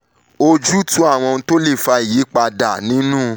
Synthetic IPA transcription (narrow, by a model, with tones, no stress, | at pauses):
o˧d͡ʒu˦tũ˨˦a˦˨w̃ɔ̃˧ũ˧to˦le˦˨fa˧i˨ji˨˦k͡pa˧da˨nĩ˨˦nũ˦